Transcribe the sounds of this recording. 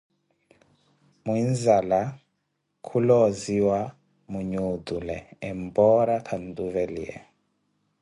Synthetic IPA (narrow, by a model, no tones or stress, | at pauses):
muinzala | kʰulɔziwa | muɲud̪ulɛ̰ːmbɔɾakʰanduvɛliɛ̰